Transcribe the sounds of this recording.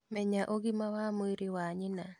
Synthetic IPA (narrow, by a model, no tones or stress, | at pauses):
mɛɲaʔoɡɪmawamʊiɾɪwaɲɪna